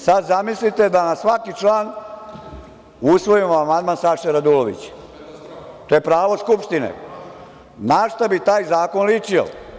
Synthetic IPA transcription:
sad̪zamislit̪e̞d̪anasʋakit͡ʂlaːn | usʋo̞imoamand̪mansaʃɛɾad̪uloʋḭt͡ɕ | t̪oːjepɾaːʋo̞skupʂt̪inḛ | naʃt̪abit̪aːjzaːkonlit͡ʃio̰

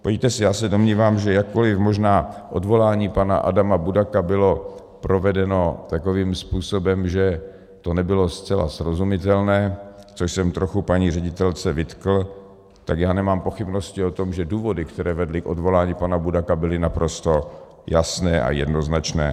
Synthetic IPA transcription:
pot̪ɛsɪjaːsɛdomɲiːvaːmʒɛjakkːolɪfmo̞ʒnaːʔodvo̞laːɲiːpana̰ʔa̰damabudakabɪlo̞ | pɾo̞vɛdɛno̞t̪ako̞viːmspuːsobɛmʒɛ | t̪o̞nɛbɪlo̞st͡sɛla̰sɾozumɪt̪ɛlnɛː | t͡soʃsɛmt̪ɾoxupaɲiːrɛɟɪt̪ɛlt͡sɛvɪt̪kl̩ | t̪akjaːnɛmaːmpo̞xɪbno̞scɪo̞t̪omʒɛduːvo̞dɪkt̪ɛɾɛːvɛdlɪkʔo̞dvo̞laːɲiːpanabudakabɪlɪnapɾo̞st̪o̞ | jasnɛːʔa̰jɛ̰dno̞znat͡ʃnɛː

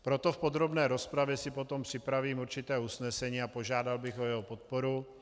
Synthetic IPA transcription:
pɾot̪ofpod̪ɾobnɛːɾo̞spɾavjɛsɪpo̞t̪ompr̥ɪpɾaviːmuɾt͡ʃɪt̪ɛːusnɛsɛɲiːapo̞ʒaːdalbɪxojɛɦopot̪̚poɾu

